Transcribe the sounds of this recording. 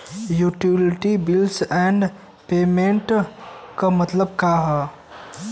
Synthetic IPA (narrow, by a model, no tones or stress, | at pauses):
juʈilʈibilsɛ̃ɳɖ | peːmẽɳʈkamɐt̪ləb̚kaɦɛ